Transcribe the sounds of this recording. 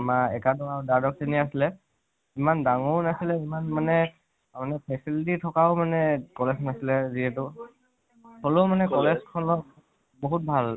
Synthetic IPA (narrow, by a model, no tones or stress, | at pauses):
maɛkadɔawdadɔk̚seniasilɛ | imandaŋɔnasilɛimanmanɛ | manɛpʰɛsilititʰɔkaʊmanɛkɔlesnasilɛziɛtʊ | hɔlomanɛkɔlɛzkʰɔnɔk̚ | boɦut̚bʱal